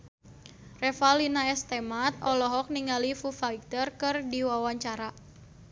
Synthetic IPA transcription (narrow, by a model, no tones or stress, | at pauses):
rɛfalinaɛst̪ɛmat̪̚ɔlɔɦɔk̚niŋalifufaik̚t̪ərkɨrdiwawaɲt͡ʃaɾa